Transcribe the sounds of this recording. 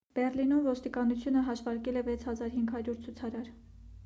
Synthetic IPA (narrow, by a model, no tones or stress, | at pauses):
b̥ɛrlinumvɔst̪ikɑnut͡sʰjunəɦɑʃvɑɾkɛlɛvɛt͡sʰhɑzɑɾɦiŋɡɦɑɾjuɾt͡sʰut͡sʰɑɾɑɾ